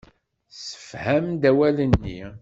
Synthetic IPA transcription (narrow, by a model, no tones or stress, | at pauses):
sə̥fhæmd̪æwælənːḭ